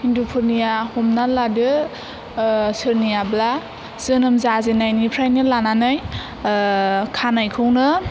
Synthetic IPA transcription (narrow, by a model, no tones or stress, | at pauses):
hindupʰɯɾnijahomnaladɯ | sɯɾnijabla | z̥ɯnɯmzazenajnipʰɾajnɯlananaj | kʰanajkʰɯwnɯ